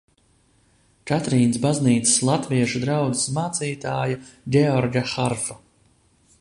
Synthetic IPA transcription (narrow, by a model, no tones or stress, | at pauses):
t͡ʃat̪ɾiːnsbazniːt̪sɨ̥slˠat̪viɛʃud̪ɾawd̪ɨ̥smaːt̪siːt̪aːjaɡʲɛɔɾɡaxaɾfa